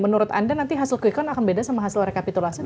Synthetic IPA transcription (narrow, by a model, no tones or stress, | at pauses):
mənuɾʊt̪a̰ndanant̪iɦasɪlkuikɔnakanbedasamaɦasɪlrekapit̪ulasi